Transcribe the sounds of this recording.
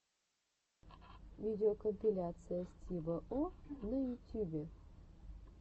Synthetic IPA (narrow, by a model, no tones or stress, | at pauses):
vʲidʲɪokəmʲpʲilʲat̪sɨjəsʲt̪ʲibəʔonɐjutʲubʲe